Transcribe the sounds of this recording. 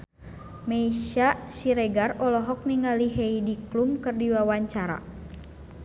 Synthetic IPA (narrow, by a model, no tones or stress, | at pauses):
meiʃasiɾɛɡarɔlɔɦɔk̚niŋaliɦɛidiklumkɨrdiwawaɲt͡ʃaɾa̰